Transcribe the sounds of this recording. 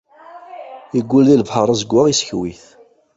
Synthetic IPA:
iɡːulðilvħəɾˤazəɡʷaʁisçwiθ

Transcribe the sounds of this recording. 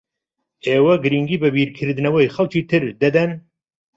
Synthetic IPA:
eːwɐɡɨɾiŋɡiːbɨbiːɾkʰɨɾd̪ɨnɐwɐjxɐlkiːt̪ʰɨɾd̪ɐd̪ɛn

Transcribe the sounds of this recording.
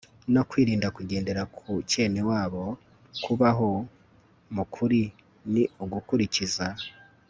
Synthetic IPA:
no̞kwiːɾiːndakuɟe̞ːnde̞ɾakʰuce̞ːnewaːβo̞ | kʰuβaɦo̞ | mukʰuɾi | niuɡukuɾiciza

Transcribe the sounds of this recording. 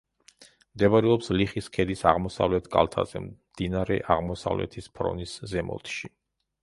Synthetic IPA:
md̪ɛbaɾɛɔpsliχiskʰɛd̪isaʁmɔsa̰vlɛt̪ʰkʼa̰lˠt̪ʰa̰zɛ̰md̪̥inaɾɛ̰ʔaʁmɔsa̰vlɛ̰t̪ʰispʰɾɔ̰niszɛmɔ̰lt̪ʰʃi

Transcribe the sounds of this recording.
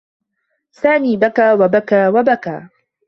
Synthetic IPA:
saːmiːbakaːwabakaːwabaka̰ː

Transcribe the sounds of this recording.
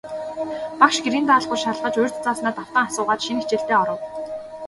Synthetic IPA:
pakʃɡeɾiːnt̪aːɮχʊ̆rʃaɮʁə̆t͡ɕɵjr̥ʲt͡s̪t͡saːsnaːt̪aw̥t̪ə̆ŋasʊːʁaːt͡ɕʃinixʰt͡ɕeːɬt̪eːɔɾɞ̆w

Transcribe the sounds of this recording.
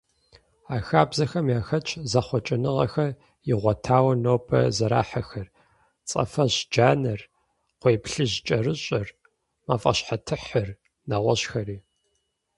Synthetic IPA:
aːxaːbzɐxɐmjaːxɐt͡ʃʰʼzɐχʷɔt͡ʃʼɪnɨʁɐxɐr | jɪʁʷɔtʰaːwɐnoːpʰʼɐ̰zɐɾa̰ːħaxɐr | t͡sʼɐ̰fɐʑd͡ʒaːnɐr | qʷeːpɬɨʑt͡ʃʼɐrɨɕʼɐr | maːfʼɐ̰ɕħatʰɨħɐr | naʁʷɔɕxɐriː

